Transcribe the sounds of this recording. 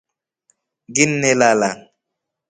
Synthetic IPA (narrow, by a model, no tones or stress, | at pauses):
ɡinːɛlala